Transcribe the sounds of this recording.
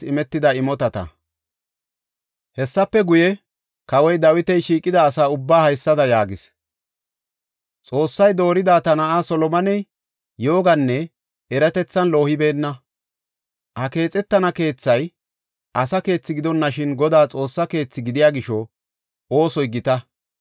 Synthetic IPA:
ɪmɛt̪ːɪd̪ɐɪmɔt̪ɐt̪ɐ̰ | hɛsːɐpːɛɡʊjɛ | kɐwɔjd̪ɐwɪt̪ɛjʃiːkʼːɪd̪ɐːsaːʊbːaːhɐjsːɐd̪ɐjaːɡɪs | t͡sʼo̞ːsːɐjd̪o̞ːɾɪd̪aːt̪ɐnɐʔaːsɔlɔmɐnɛj | jo̞ːɡɐnːɛ | ɛɾɐt̪ɛt͡sːɐnlo̞ːhɪbe̞ːnːɐ | hɐke̞ːt͡sʼɛt̪ːɐnɐke̞ːt͡sːɐj | ɐsɐke̞ːt͡sːɪɡɪd̪ɔnːɐʃɪnɡɔd̪aːt͡sʼo̞ːsːɐke̞ːt͡sːɪɡɪd̪ɪjaːɡɪʃɔ | o̞ːsɔjɡɪt̪ɐ

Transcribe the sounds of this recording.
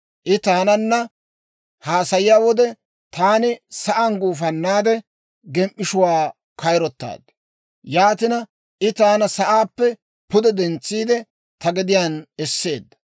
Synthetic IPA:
ʔɪt̪aːnɐnːɐ | haːsɐjɪjaːwɔd̪ɛ | t̪aːnɪsɐʔɐnɡuːfɐnːaːd̪ɛ | ɡɛmʔːɪʃʊwaː | kɐjɾɔt̪ːa̰ːd̪ɐ | jaːt̪ɪnɐ | ʔɪt̪aːnɐsɐʔaːpːɛ | pʊd̪ɛd̪ɛnt͡sːiːd̪ɛ | t̪ɐɡɪd̪ɪjaːnɛsːeːd̪ːɐ̥

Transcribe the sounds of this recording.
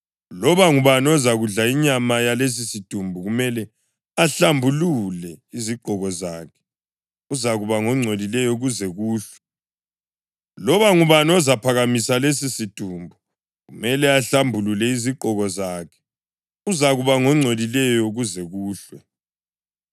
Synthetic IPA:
lɔβaŋuβanɔzaɣuɮaiɲamajales̬isitʼumbʱuɣumɛlɛ | aɬambʱululɛiziǃʱɔɣɔzaːkʰɛ̥ | uzaɣuβaŋɔŋ͡ǀʱolilɛjɔuɣuzɛɣuːɬwɛ | lɔβaŋuβanɔzapʰaɣamisales̬isitʼumbʱu | ɣumɛlɛaɬambʱululɛiziǃʱɔɣɔzaːkʰɛ̥ | uzaɣuβaŋɔŋ͡ǀʱolilɛjɔɣuzɛɣuːɬwɛ

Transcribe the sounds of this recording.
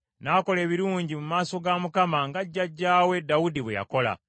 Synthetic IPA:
naːko̞le̞ːβiɾuːɲɟimumaːso̞ɡamukamaŋɡaɟːaɟːaːwe̞dawudiβwḛja̰ko̞la̰

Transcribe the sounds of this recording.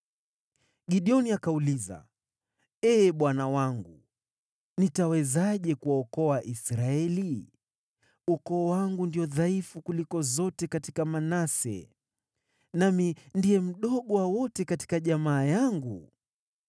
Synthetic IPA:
ɡiɗiɔniakauliza̰ | ɛːɓwanawaŋɡu | nitawɛzaʄɛkuwaɔkɔwaʔisɾaɛli | ukɔːwaŋɡundiɔðaifukulikɔzɔtɛkatikamanasɛ̰ | namindiɛm̩ɗɔɠɔwawɔtɛkati̥kaʄamaːjaŋɡṵ

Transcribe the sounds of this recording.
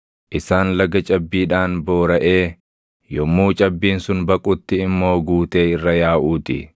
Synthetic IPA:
ʔɪsaːnlɐɡɐt͡ʃʼɐbːiːᶑaːnbo̞ːɾɐʔe̞ː | jɔmːuːt͡ʃʼɐbːiːnsʊnbɐkʼʊt̪ːɪɪmːo̞ːɡuːt̪e̞ːɪrːɐjaːʔuːt̪ɪ̰

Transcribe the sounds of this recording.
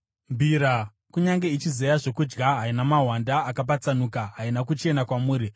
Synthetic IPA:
mbʱiːɾa | kuɲaŋɡe̞it͡ʃizejaʐo̞kud͡ʒɡaɦainamaɦwandaːkap̬at͡sanukaɦainakut͡ʃe̞nakwamuːɾi

